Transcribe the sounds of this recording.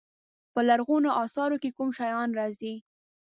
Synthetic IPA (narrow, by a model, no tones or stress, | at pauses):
pəlaɾɣunoʔɑsɑɾokekumʃajɑnɾɑzi